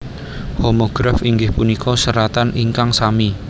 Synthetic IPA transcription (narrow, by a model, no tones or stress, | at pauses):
homoɡ̥ɾafiŋɡɪhpunikʰɔsəɾat̪anʔiŋkaŋsami